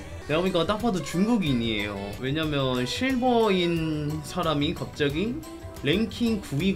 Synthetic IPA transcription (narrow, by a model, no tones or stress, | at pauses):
naɲik͈at͈apʰadot͡ɕuŋɡuɡiɲie̞̰jo̰we̞ɲamjʌnɕʰiɭboinsʰaɾamikap̚t͡ɕ͈ʌɡi | ɾe̞ŋkʰiŋkui